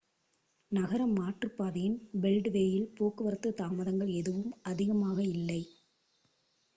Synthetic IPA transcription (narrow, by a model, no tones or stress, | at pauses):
nɐɣɐɾɐmːaːʈrɯpːaːðɐjɪnbɛlɖʋeːjɪlpoːkɯʋɐɾɐt̪ːɯt̪aːmɐðɐŋɡɐɭɛðɯʋɯmɐðɪɣɐmaːɣɐɪlːɐɪ